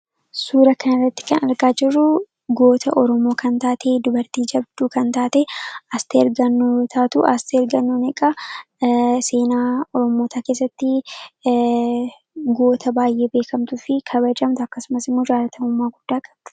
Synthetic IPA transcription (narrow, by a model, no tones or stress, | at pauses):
suːɾɐkɐnɪrːɐt̪ːɪ̥kɐnɐɾɡaːd͡ʒɪrːʊ | ɡo̞ːt̪ʰɐʔɔɾɔmo̞ːkʰɐnt̪aːt̪ʰeːd̪ʊbɐɾt̪iːd͡ʒɐbd̪uːkɐnt̪aːt̪eɐst̪eːɾɡɐnːoːt̪ʰaːt̪ʊʔɐst̪eːɾɡɐnːoːnɛkʼɐ | se̞ːnaːɔɾɔmo̞ːt̪ʰaːke̞ːs̬ːɐt̪ːɪ | ɡo̞ːt̪ʰɐbaːjʔe̞ːbe̞ːkɐmt̪ʊfɪkʰɐbɐd͡ʒɐmt̪ʊɐkːɐsʊmɐsɪmːo̞ːd͡ʒaːlɐt̪ʰɐmʊmːaːɡʊd̪̥ːaːkʼɐ̥bd̪̥ʊ̥